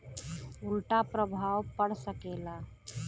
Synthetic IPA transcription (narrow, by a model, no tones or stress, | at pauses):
ʊlʈapɾəbʱawpəɽsəkela